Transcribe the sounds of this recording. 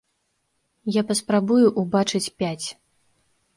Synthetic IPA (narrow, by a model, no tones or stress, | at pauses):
japɐspɾabujuʔubat͡ʂɨt͡sʲpʲat͡sʲ